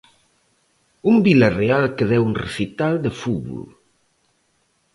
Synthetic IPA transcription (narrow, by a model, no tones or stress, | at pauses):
umbilarealˠkəðɛwunrḛsit̪ald̪əfuβṵl